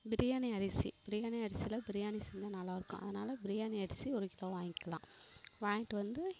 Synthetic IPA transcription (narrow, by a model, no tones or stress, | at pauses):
bɪɾɪjaːniɐɾɪsḭb̥ɪɾɪjaːniɐɾɪsɪjlɐbɪɾɪjaːnisɛɲd͡ʒɐnaːlaːɪɾɯkːʊ̰̃ʔɐ̰ðɐnaːlɐbɪɾɪjaːniɐɾɪsiɔɾɯkɪloːʋaːŋɡɪkːɐlãːʋaːjɪʈːɯʋɐnd̪ɯ